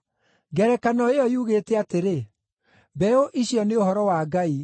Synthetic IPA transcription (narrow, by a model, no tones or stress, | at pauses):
ɡɛɾɛkanɔeɔjuɣeːtɛateɾe | bɛoʔiɕjɔneohɔɾɔwaɡai